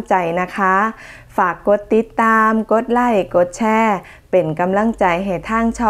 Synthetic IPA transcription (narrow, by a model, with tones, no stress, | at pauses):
t͡ɕa˧jna˦˥kʰa˦˥ | faː˨˩kːo˦˥t̪ːi˦˥t̪ːaː˧mko˦˥t̪̚la˥˩jko˦˥t̪̚t͡ɕʰɛː˧˩ | pe˨˩nka˧mla˧˥˩ŋt͡ɕa˧jɦa˧˨˩jt̪ʰaː˥˩ŋt͡ɕʰɔː˥˩